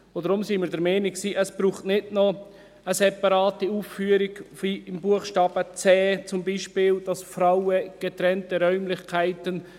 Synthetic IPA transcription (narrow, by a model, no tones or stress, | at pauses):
odɾʊmsiːmɪːdəɾmɛːnɪksiːʔəsb̥ɾuːχtnɪdnɔ | əsɛpɑɾɑːtiuːffyːəɾɪɡfiɪmbuəχʃtɑːb̥ət͡sɛːt͡sʊmbiːʃpɪːld̥ɑsfɾaʊəɡ̥ɛt̪ɾɛntəɾœʏmlɪçkʰæɪtən